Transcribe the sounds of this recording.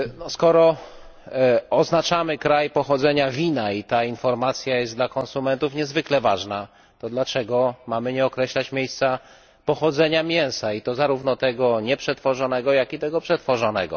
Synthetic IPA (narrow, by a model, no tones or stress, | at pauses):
nɔskɔɾɔ | ɔznat͡ʂamɘkɾajpɔxɔd̪zɛɲavʲinait̪ainfɔɾmat̪sʲjajɛst̪d̪lakɔ̃nsumɛnt̪ufɲɛzvɘklɛvaʐna | t̪ɔd̪lat͡ʂɛɡɔmamɘɲɛɔkɾɛɕlat͡ɕmʲjejst̪sa | pɔxɔd̪zɛɲamʲjɛ̃w̃sait̪ɔzaɾuvnɔt̪ɛɡɔɲɛpʂɛt̪fɔʐɔnɛɡɔjakit̪ɛɡɔpʂɛt̪fɔʐɔnɛɡɔ̰